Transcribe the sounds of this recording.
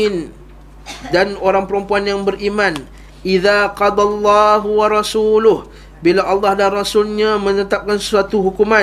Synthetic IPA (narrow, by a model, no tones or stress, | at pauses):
ɪn | danoɾaŋpəɾəmpuanjaŋbəɾʔiman | ʔiðaqɑd̪ˤɑlːɑɦwaɾɑsuːlʊh | bilaʔalːɑhdanrasʊlɲamə̃nət̪ap̚kansə̥suat̪uɦukuma